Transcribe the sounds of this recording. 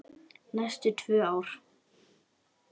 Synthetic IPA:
nɛst̪ʏt̪ʰvœːaːwɾ̥

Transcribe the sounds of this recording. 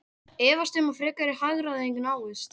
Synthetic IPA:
ɛːvast̪ʏmafɾɪːkaɾɪhaɣɾaðɪejŋkʏnaːwðʏs

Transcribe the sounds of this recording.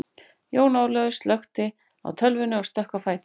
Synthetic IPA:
joːwnaːwlœːɣʏst̪lœxt̪ɪ | a̰wt̪ʰœlvɪnʏɔɾ̥st̪œhkafaːjt̪

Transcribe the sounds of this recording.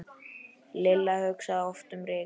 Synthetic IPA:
lɪlːahœɥksaaɔft̪ʏmɾɪː

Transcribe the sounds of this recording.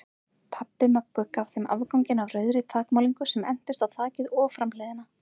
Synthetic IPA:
pʰapːɪmœkːʏkavθejmʔa̰ːvkawɲcɪnavrœːɥðɾɪt̪ʰaːkmawliŋkʏsɛmɛ̰n̥t̪ɪst̪aðθʰaːcɪðɔːfɾamlɛjðɪna

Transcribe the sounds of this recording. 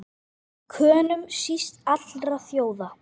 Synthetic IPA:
kʰœːnʏmsist̪at̪lɾaθjoːwða

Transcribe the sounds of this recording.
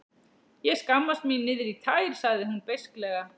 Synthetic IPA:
jɛɣskamːast̪minɪːðɪɾit̪ʰaːjɾ̥saɣðɪhunpejsklɛːɣa

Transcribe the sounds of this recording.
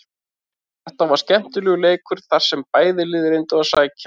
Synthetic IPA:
θɛht̪avaɾ̥scɛm̥t̪ʏlɛːɣʏleːjkʏɾ̥θaɾ̥sɛmpaːjðɪlɪːðɪɾejnt̪ʏasaːjca

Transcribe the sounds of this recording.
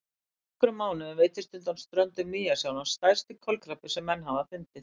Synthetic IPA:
ɛhkɾʏmːaːwnɪveːjt̪ɪst̪ʏnt̪amst̪ɾœnt̪ʏmːiːjasjawnast̪aj̥st̪ɪkʰɔlkɾapɪsɛmːɛnːɦavafɪnt̪ɪθ

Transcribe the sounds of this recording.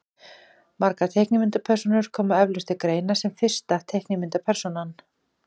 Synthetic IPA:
maɾkat̪ʰeːjhknɪmɪnt̪apʰɛɾ̥sɔnʏɾ̥kʰɔːmaɛvlʏst̪ɪkɾeːjnasɛmfɪr̥st̪at̪ʰejhknɪmɪnt̪apʰɛɾ̥sɔnan

